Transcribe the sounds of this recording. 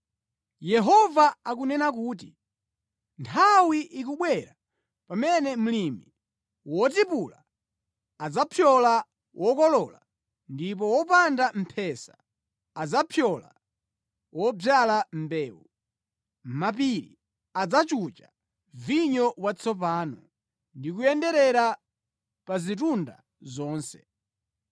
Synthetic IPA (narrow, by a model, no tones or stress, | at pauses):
jɛɦɔvaak̬unɛnak̬uːt̬i | ntʰawiʔik̬uɓwɛɾa | pamɛnɛm̩limi | wɔt̬ipula | ad͡zapʰjɔla | wʔɔkɔlɔla | ndip̬ɔwɔpandam̩pʰɛsḁ | ad͡zapʰjɔla̰ | wɔbjalam̩bɛːwu | map̬iɾḭ | ad͡zat͡ʃut͡ʃa̰ | viɲɔwat͡sʰɔp̬aːnɔ | ndik̬ujɛndɛɾɛɾa | pazit̬unda̰ | zɔːnsɛ̥